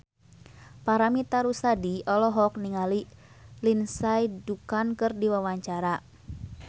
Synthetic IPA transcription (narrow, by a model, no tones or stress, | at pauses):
paɾamit̪aɾusadiɔlɔɦɔk̚niŋali | linsaidukankɨrdiwawaɲt͡ʃaɾa